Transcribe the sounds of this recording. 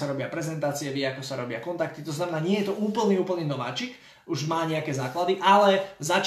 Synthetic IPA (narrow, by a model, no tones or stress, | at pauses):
saɾɔbɪapɾɛzɛnt̪aːt͡siɛʋɪɛakɔsaɾɔbɪakɔnt̪ak̚t̪it̪ɔznamɛnaːɲɪɛjɛt̪ɔʔuːpl̩niːuːpl̩ˠniːnɔʋa̰ːt͡ʃik | uʒmaːɲɛakɛːzaːklad̪iʔalɛzat͡ʃ